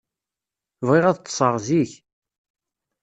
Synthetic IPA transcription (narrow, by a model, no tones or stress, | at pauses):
vʁeʁæðt̪ˤːsˤəʁˤziç